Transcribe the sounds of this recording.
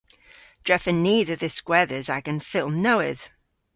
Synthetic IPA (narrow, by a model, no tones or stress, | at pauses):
d̥ɹ̥ɛfəniːðəðəskwɛːðəzaɡə̃nfɪlˠmnoʊɪ̰ð̥